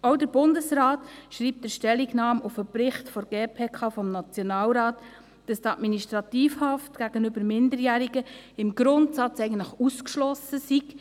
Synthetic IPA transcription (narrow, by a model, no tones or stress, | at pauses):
oʊdəɾbʊndəsɾɑːtʃɾiːp̚tdəʃtɛlːiɡnɑːmufəpɾɪχtfɔɾɡ̥eːpʰeːkʰɑːfɔmnɑt͡sjɔnɑːlɾɑːt | d̥ɑstɑtminiʃtɾɑt̪iːfhɑftɡ̥æɡ̥ənʏbəɾmɪndəɾjæːɾiɡəɪmɡɾʊntsɑt͡sɛɪɡən̩tlɪχuskʃlɔsəsiɡ̥